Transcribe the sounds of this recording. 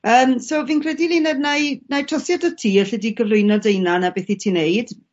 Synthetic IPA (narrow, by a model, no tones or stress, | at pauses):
əːmsoviːnkʰrɛdilɪnɛd̚najnajtrɔsjadə̥tʰiːəɬɛdiɡəvlˠʊɨnɔdejnanabeːθitʰiːnejd̥